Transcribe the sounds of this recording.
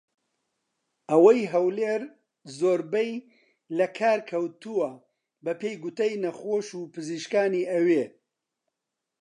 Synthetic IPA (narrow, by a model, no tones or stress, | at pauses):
ʔɐwɐjɦɐwleːɾ | zoːɾbɛj | lɐkʰaːɾkʰɐwt̪uwɐ | bɐpʰejɡut̪ɐjnɐxoːʃuːpʰɨziːʃkaːniːɐweː